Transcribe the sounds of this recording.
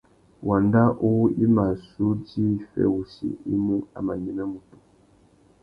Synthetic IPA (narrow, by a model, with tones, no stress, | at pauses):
wʔa˨nda˦ʔo˦i˦ma˨su˦di˦˨fɛ̰˦wu˨sḭ˨i˦mu˦a̰˨ma˨ɲi˦na˦mu˨tu˨